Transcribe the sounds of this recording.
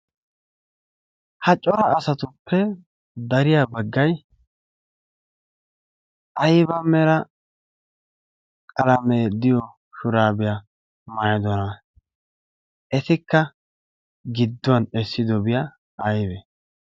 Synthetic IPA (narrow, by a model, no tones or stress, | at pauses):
hɐt͡ʃʼːɔɾɐːsɐt̪ʊpʰːɛ | d̪ɐɾɪjabɐɡːɐj | ʔɐjbɐmɛɾɐ | kʼɐlɐmeːd̪ɪjɔ | ʃʊɾaːbɪja | majɐd̪ɔnɐ | ɛt̪ɪkːɐ | ɡɪd̪ːɔwɐnɛsːɪd̪ɔbɪja | ɐjbɛ